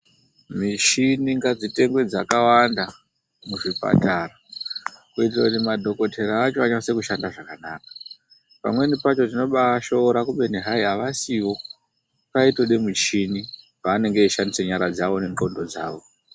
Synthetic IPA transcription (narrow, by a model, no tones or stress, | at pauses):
mit͡ʃiniŋɡad͡zite̞ŋɡwe̞d͡zakawanda | muʐipa̰tara | kuitirakutimadʱo̞ko̞tʰe̞ɾaːt͡ʃo̞aɲase̞kuʃandaʐakanaːkḁ | pa̰mwe̞nipat͡ʃo̞t̬ino̞ɓaʃo̞ɾakuɓe̞neɦaiaʋasiwo̞ | paitoɗemut͡ʃini | paːne̞ŋɡe̞iʃandise̞ɲaɾad͡zaʋo̞ne̞ŋɡo̞ndo̞d͡zaːʋo̞